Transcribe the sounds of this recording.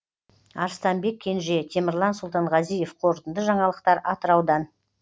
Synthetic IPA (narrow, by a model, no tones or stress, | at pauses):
ɑ̰ɾst̪ɑmbe̞kʲʰːe̞nʒe̞t̪ʰe̞mɪɾlˠɑnsʊlˠt̪ɑɴʁɑzije̞fqʰo̞ɾt̪ənd̪əʒɑɴɑlˠəqt̪ɑɾɑt̪əɾɑwd̪ɑn